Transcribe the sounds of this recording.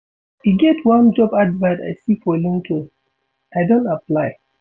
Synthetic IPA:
iɡɛtwãnd͡ʒɔbadvaɪta̰ɪsifɔelĩŋtʰõ | aɪdõntaplaɪ

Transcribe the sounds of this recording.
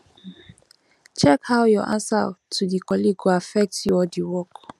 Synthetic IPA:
t͡ʃɛkhaʊjɔʔã̰nsa̰tʰudikʰɔliɡuafɛk̚tjɔdiwɔk

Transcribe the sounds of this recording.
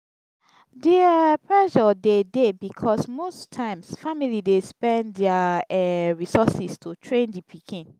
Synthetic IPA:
depɹɛʃɔdedebikʰɔsmostʰãɪ̃msfamilidespɛ̃ndɛaɛɹisɔsistʰutʰɹẽndipʰikʰĩn

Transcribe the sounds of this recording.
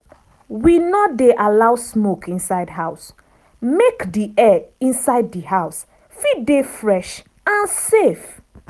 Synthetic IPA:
winɔdeʔalawsmokʰĩnsaɪdɦaʊs | mekdiɛĩnsaɪd̚dihaʊs | fidefɹɛʃ | ãnsef

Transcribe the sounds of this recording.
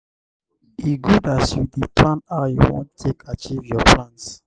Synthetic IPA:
iɡudasjudipʰlãnajṵwõ̰ntʰekʰat͡ʃivjɔpʰlãns

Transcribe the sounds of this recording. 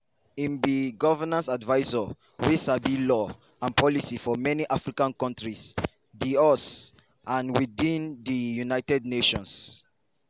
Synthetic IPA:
ĩmbiɡɔvənãnsadvaɪzə | wisabilɔ | ãnpɔlisifɔmɛniʔafɹikãnkɔ̃ntɹis | ðiɔs | ʔãnwiðĩnðəjunaɪtɛd̚neʃɔ̃ns

